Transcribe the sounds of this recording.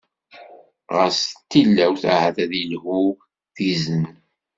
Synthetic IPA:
ʁəɾst̪ːilːæwθa̰hæθæðilhu | θizən

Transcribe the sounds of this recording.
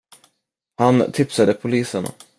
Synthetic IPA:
hant̪ʰɪpsad̪əpʰʊliːsəna̰

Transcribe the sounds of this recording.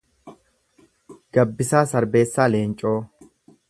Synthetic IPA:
ɡ̥ɐbːɪsaːsɐɾbe̞ːsːaːleːnt͡ʃʼo̞ː

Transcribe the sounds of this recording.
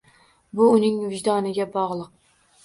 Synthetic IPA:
bʊːnɪŋvɪd͡ʒd̪ɒnɪɡʲabɒʁlˠɨq̚

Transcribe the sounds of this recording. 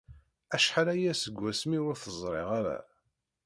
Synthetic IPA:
æʃħalæjæsəɡʷːæsmiwʊɾθəzˤɾˤeʁaɾæ̰

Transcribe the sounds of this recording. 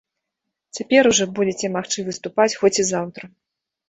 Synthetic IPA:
t͡sʲapʲɛɾuʐɔbud͡zʲet͡sʲɛmaxt͡ʂɨvɨst̪upat͡sʲxɔt͡sʲizawt̪ɾɐ

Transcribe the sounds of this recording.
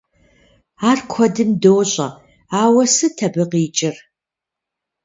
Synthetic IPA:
aːrkʷʰɔdɨmdowɕʼɐ̰ | aːwɐsɨtʰɐbɨqiːt͡ʃʼɪr

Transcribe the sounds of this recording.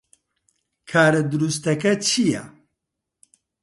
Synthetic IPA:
kʰaːɾɐd̪uɾust̪ɐkɐt͡ʃʰijɛ̰

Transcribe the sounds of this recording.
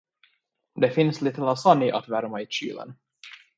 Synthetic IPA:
d̪ɛfɪnsliːt̪əlasanɪʔa̰t̪væɾmaɪɕy̰ːlə̰n

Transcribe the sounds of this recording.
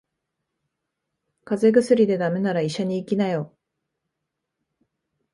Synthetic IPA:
kaze̞ɡɯ̟sɨɾʲid̪e̞d̪ame̞naɾaiɕaɲ̟iːkʲinajo

